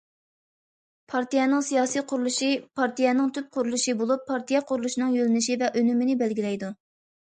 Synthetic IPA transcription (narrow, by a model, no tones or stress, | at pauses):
pʰɑɾt̪ijɛnɨŋsijɑːsijqʰʊɾulˠuʃipʰɑɾt̪ijɛnɪŋt̪ʰyp̚qʰʊɾulˠuʃibolˠupʰːɑɾt̪ʰijɛqʰʊɾulˠuʃinɨŋjølɪnɪʃivɛʔønymɪnɪbɛlɡʲilɛjd̪u